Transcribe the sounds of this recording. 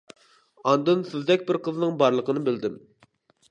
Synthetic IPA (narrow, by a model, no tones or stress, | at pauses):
ɑnd̪ɨnsɪzd̪ɛkʲbɪɾqʰəznɨŋbɑɾlˠəqʰənɨbɪld̪ɪm